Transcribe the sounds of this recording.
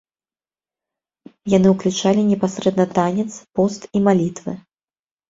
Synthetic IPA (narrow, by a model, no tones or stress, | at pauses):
janɨwklʲut͡ʂalʲinʲɛpasɾɛd̪nɐt̪anʲɛt̪spɔst̪imalʲit̪vɨ̰